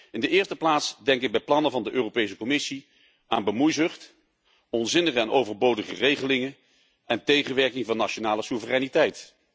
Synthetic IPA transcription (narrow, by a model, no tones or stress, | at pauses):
ɪndəɪːɹstəplaːtsdɛŋkɪɡ̚bɛjplɑnəvɑndəʔøːrowpejs̬əkɔmɪsi | a̰ːnbəmujzɵχt | ɔnzɪnəχəɛnʔowvəɹbowdəχə̰rejχəlɪŋə | ɛntejχənʋɛɹkɪŋvɑnːaʃonaːləsuvərɛjnitɛjt